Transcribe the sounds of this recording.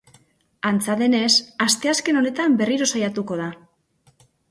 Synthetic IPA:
ant͡saðe̞ne̞sast̪e̞aske̞no̞ne̞t̪ambe̞riɾo̞sajat̪uko̞ð̞a

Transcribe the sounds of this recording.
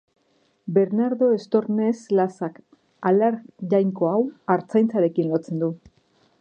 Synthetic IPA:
be̞ɾnaɾðo̞e̞st̪o̞ɾne̞slasak | alaɾʝajŋko̞awaɾt͡sajnt͡saɾe̞kinlo̞t͡se̞nd̪u

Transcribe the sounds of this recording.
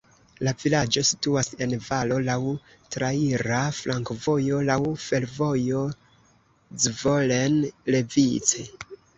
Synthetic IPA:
lavilad͡ʒo̞si̥tuase̞nvalo̞law | tɾaiɾaflʔaŋkvo̞jo̞lawfe̞lvo̞jo̞ | d͡zvo̞le̞nle̞vit͡se

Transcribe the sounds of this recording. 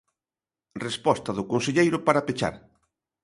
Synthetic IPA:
respɔst̪ɐðʊkonseʎejɾʊpaɾapet͡ʃa̰ɾ

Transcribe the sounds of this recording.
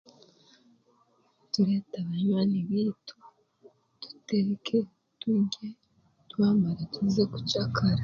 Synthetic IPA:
tuɾetaβaɲwaniβitʰo | tu̥teɾekʰe | tuɲɡe | twaːmaɾetizeku̥t͡ʃakʰaɾa

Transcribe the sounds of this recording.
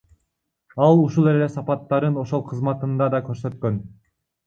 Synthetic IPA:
ɑlˠuʃulˠe̞le̞sɑpɑt̪ːɑɾɯno̞ʃo̞lˠqʰɯzmɑt̪ɯnd̪ɑd̪ɑkøɾsø̞t̪̚kø̞n

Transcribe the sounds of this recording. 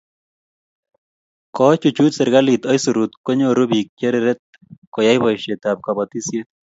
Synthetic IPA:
kɔt͡ʃut͡ʃut̪sɛɾɣalit̪ɔjsuɾut̪kɔɲoɾʊbik̚t͡ʃeɾɛɾɛt̪̚ | kɔjajbɔjʃet̪ap̚kabɔt̪isje

